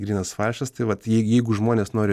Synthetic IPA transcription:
ɡɾʲiːnɐsfɑːʃʲɐst̪ɐɪʋɐt̪jɛɪjɛɪɡʊʒmoːnʲeːsnoːɾʲɪ

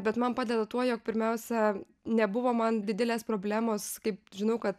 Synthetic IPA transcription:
bʲɛt̪mɐnpɑːdʲɛd̪ɐt̪uɔjoːk̚pʲɪɾʲmʲɛʊsʲɛ | nʲɛbʊʋoːmɐndʲɪd̪ʲɪlʲeːspɾoːbʲlʲæːmoːskɐɪpʒʲɪnɐʊkɐt̪

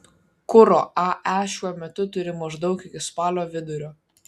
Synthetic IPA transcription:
kʊɾo̰ːʔɑʔæʃʲuɔmʲɛt̪ʊt̪ʊɾʲɪmɐʒd̪ɒʊkɪkʲɪspɑːlʲoːʋʲɪd̪ʊɾʲoː

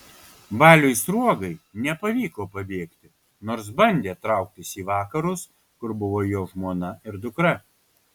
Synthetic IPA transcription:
bɑːlʲʊjsɾuɔɡɐɪnʲɛpɐʋʲiːkoːpɐbʲeːkt̪ʲɪ | noːɾs̬bɐnʲd̪ʲeːt̪ɾɐʊk̚t̪ʲɪsiːʋɑːkɐɾʊs | kʊɾbʊʋoːjoːʒmuɔnɐɪɾd̪ʊkɾɐ

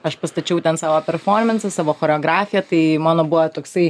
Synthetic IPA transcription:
ɐʃpɐst̪ɐt͡ʃʲɛʊt̪ʲɛnsɑːʋoːpʲɛrfoːrʲmʲɛnsʲɐsɑːʋoːxoːɾʲɛoːɡɾɑːfʲɪjɛt̪ɐɪmɑːnoːbuʋɐt̪oːksɐɪ

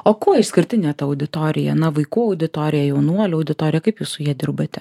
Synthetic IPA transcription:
oːkuːɪʃsʲkʲɪɾʲt̪ʲɪnʲɛːt̪ɐɐʊd̪ʲɪt̪oːɾʲɪjɛ̰nɐʋɐɪkuːɐʊd̪ʲɪt̪oːɾʲɪjɛjɛʊnuɔlʲɛɐʊd̪ʲɪt̪oːɾʲɪjɛkɐɪpjuːssʊjiɛd̪ʲɪɾbɐt̪ʲɛ

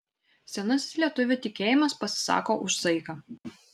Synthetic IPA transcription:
sʲɛnɐsʲslʲiɛt̪ʊʋʲʊt̪ʲɪkʲeːjɪmɐspɐsʲɪ̥sɑ̰ːkoːʔʊʃsɐɪkɐ

